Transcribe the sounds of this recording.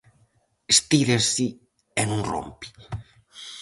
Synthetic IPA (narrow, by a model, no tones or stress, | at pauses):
est̪iðensi | enũnro̰mpi̥